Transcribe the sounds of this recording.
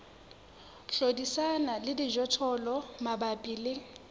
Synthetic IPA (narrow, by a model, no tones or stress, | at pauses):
ɬodisanalɪdiʒɔtʰɔlɔmabapʼiːlɪ